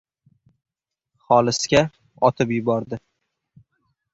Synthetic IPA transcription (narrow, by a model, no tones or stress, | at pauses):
χɒlˠɪsɡʲa | ɒt̪ʰɪpjʊbɒɾd̪ɪ